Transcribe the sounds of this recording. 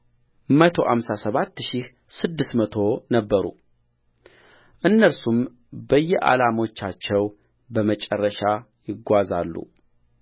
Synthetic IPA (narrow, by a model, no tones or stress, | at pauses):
mət̪ʰo̞ha̰msasəβat̪ːʃih | sɨd̪ːɨsmət̪ʰo̞nəbːəɾṵ | ʔɨnːəɾsum | bəjːɛʔa̰lamo̞t͡ʃːat͡ʃːɛw | bəmət͡ʃʼɛrːəʃa | jɪɡːʷazalːṵ